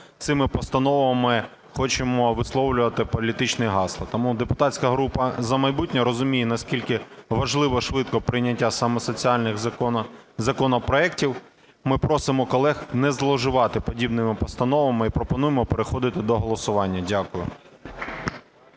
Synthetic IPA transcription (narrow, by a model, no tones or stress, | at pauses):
t̪sɪmɪpɔst̪ɐnɔʋɐmɪ | xɔt͡ʃɪmɔʋɪslˠɔwlʲʊʋɐt̪ɪpɔlʲit̪ɪt͡ʃnɪɦɑslˠɐt̪ɔmud̪epʊt̪ɑtʲt͡sʲkɐɦɾupɐzɐmɐjbutʲnʲɔɾɔzʊmʲijɛnɐsʲkʲilʲkɪʋɐʒlˠɪʋɔʃʋɪt̪kɔpɾɪjnʲɐtʲːasɑmɔsɔt͡sʲiɑlʲnɪx | zɐkɔnɔpɾɔɛktʲiw | mɪpɾɔsɪmɔkɔlˠɛxnɛzlˠɔʒɪʋɑt̪ɪpɔdʲibnɪmɪpɔst̪ɐnɔʋɐmɪipɾɔpɔnujemɔpeɾexɔd̪ɪt̪ɪd̪ɔɦɔlˠɔsʊʋɑnʲːɐdʲakʊjʊ̰